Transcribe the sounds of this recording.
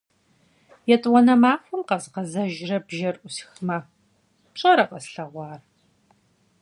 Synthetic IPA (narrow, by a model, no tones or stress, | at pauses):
jɛtʼwɔnɐmaːfʷʊmqɐzqɐzɐʒrɐbʒɐrʔʷʊsxmɐ | pɕʼɐɾɐqɐsɬɐʁʷɑːr